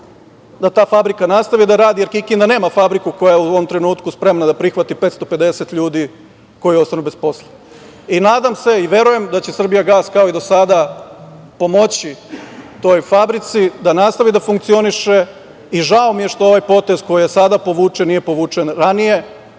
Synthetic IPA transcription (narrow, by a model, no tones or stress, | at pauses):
d̪at̪aːfabɾikanast̪aʋid̪aɾaːd̪ije̞ɾkikind̪ane̞ːmafabɾikuko̞jajeuoʋomt̪ɾe̞nuːt̪kuspɾe̞mnad̪apɾixʋat̪ipet̪st̪o̞pe̞d̪e̞set̪ʎuːd̪i | ko̞jio̞st̪anube̞spo̞slˠe | inaːd̪amse̞iʋje̞ɾuje̞md̪at͡ɕe̞sr̩bijaɡaːskao̞id̪o̞sad̪a | po̞mo̞t͡ɕit̪o̞ːjfabɾit̪sid̪anast̪aʋid̪afuŋk̚t̪sio̞niʃe̞ | iʒaomije̞ʃt̪oo̞ʋajpo̞t̪e̞z̥ko̞jijesad̪apoʋuːt͡ʃenije̞po̞ʋuːt͡ʂenɾanije̞